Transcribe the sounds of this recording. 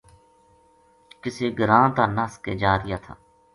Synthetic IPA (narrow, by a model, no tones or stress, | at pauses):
kɪseːɡəɾãːt̪aːnaskeːd͡ʒaːɾɪjaːt̪ʰa̰ː